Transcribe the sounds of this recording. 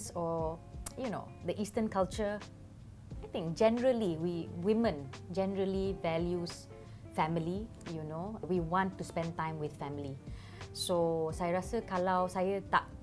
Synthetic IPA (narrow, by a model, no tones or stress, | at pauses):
sɔjuno̰ | d̪əʔistə̃nkalt͡ʃə | ajt̪ĩŋk̚d͡ʒɛ̃nəɹəliwiwimə̃nd͡ʒɛ̃nəɹəlivɛljus | fɛ̃mili | junowiwɔ̃ntːuspɛ̃ntãɪ̃mwɪθfɛ̃mili | sosajɹasəkalawsajət̪a̰ʔ̚